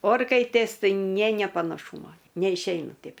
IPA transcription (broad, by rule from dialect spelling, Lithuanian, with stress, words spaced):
ˈoːrkɐɪtʲeːs ˈtɐɪ ˈnʲeː nʲeː pɐnɐˈʃuːmoː nʲɛɪʃʲˈɛɪnɐ ˈtʲɛɪp